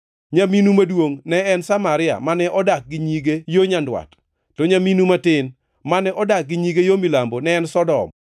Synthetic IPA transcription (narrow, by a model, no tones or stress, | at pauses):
ɲaminumadwoŋnɛɛnsamaɾɪa̰manɛʔɔdak̚ɡɪɲiɡejoɲandwa̰tː | oɲaminumatɪn | manɛʔɔdak̚ɡɪɲiɡejomilambonɛːnsɔdɔ̰m